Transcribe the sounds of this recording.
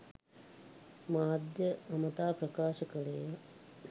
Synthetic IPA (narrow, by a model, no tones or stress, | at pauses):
maːd̪jɐɐmɐt̪aːpɾɐkaːʃɐkɐɭejɐ